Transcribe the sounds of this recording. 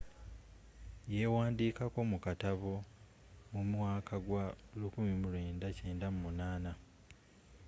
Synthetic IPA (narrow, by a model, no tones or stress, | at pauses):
je̞waːndiːkako̞mukataβo̞ | mumwaːkʰaɡwalukumimule̞ːndace̞ːndamumunaːna